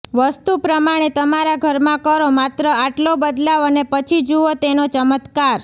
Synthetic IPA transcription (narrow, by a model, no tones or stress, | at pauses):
ʋəst̪upɾəmaɽ̃et̪əmaɾaɡʱəɾmãkəɾomat̪ɾəaʈlobəd̪laʋənepət͡ʃʰid͡ʒuot̪enot͡ʃəmət̪kaɾ